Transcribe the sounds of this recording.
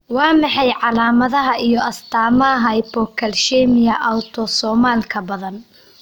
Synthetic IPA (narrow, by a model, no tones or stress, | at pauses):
wɑːmɑħɑjʕɑlaːmɐðɐɦɐijɔɐst̪ʰaːmɐɦɐjbɔːkʰɐlʃɛːmɪjɐʔawt̪ʰɔsɔːmaːlkʰɐbɐðɐn